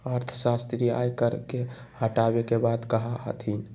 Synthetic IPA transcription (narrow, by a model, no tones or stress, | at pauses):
əɾt̪ʰə̥sast̪ɾia̰jkəɾke | həʈabekebad̪kəɦaɦə̰t̪ɦin